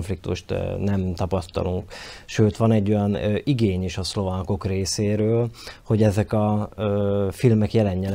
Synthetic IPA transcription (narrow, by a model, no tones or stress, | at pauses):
ɱflik̚t̪uʃt̪nɛmt̪ɒpɒst̪ɒ̰luŋkʃøːt̪ʋɒnɛɟːo̞jɒniɡeːɲeːʃɒslo̞vaːko̞kreːseːɾøːlho̞ɟɛzɛkɒøfilmɛkjɛlɛɲːɛl